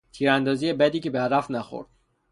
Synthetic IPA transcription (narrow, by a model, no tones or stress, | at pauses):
t̪ʰiːɾænd̪ɒːziːjebæd̪iːcʰebeæɾæfnæxo̰ɾd̪̥̚